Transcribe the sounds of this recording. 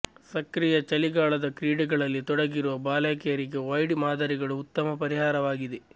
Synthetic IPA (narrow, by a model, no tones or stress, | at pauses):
sɐkɾijɐt͡ʃɐliɡaːɭɐd̪ɐkɾiːɖɛɡɐɭɐlːit̪ɔɽɐɡiɾuʋɐbaːlaːkɛjɐɾiɡe̞ʋɐjɽimaːd̪ɐːɾiɡɐɭuːt̪ːɐmɐpɐɾiɦaːɾɐʋaːɡid̪e